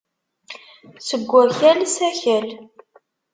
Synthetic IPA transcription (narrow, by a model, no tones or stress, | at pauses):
səɡʷːæçælsæçæl